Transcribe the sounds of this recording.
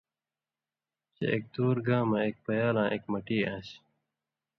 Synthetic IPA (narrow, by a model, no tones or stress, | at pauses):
t͡ɕḛḛk̚t̪uːɾɡãːmɐek̚pɐjaːlãːʔeːkmɐʈiːãːɕ